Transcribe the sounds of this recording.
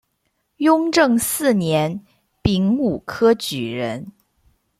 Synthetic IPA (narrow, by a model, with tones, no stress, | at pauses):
jʊ˥ŋʈ͡ʂɤ˥˧ŋsɹ̩˥˩njɛ˧˥n | pi˧˥ŋu˨˩kʰɤ˥t͡ɕy˨˩ɻə˧˥n